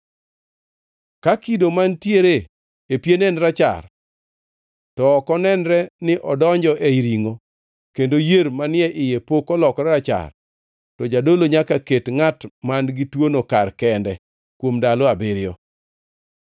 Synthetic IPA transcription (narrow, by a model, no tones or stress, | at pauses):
kakidomantjeɾe | epjenɛnɾat͡ʃa̰r | tɔːkɔnɛnɾɛnɪʔɔdɔɲd͡ʒɔʔeiɾiŋo | kendojeɾmanɪɛʔɪjepokɔlɔkɾɛɾat͡ʃa̰r | tɔd͡ʒadoloɲakaketŋatmanɡɪtwonokarkɛndɛ | kwomdaloabɪɾɪɔ̰